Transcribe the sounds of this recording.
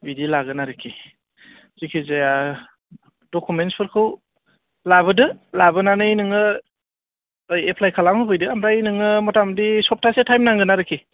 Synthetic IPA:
bidilaɡɯnaɾɯkʰːi | z̥ikʰizea | dɔkumentspʰɯɾkʰɯw | labɯdɯlabɯnanɯinɯŋɯ | jepʰlajkʰalamɯbʰɯjdɯamɾainɯŋɯmɔtamdisɔp̚tʰasetʰajmnaŋɡɯnaɾɯkʰi

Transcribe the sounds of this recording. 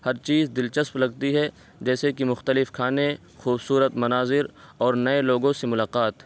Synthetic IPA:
hɐɾt͡ʃiːzd̪ɪlt͡ʃəsplɐɡ̚t̪iɦɛ | d͡ʒɛːsekimʊxt̪əlɪfkʰaːne | xuːbsuːɾət̪mɐnaːzɪɾɔːɾnɐeloːɡõsemʊlaːqaːt̪

